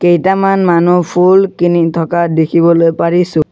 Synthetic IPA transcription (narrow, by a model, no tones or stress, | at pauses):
kejtamanmanupʰulkinitʰɔkadekʰibɔlojpaɹisʊ̃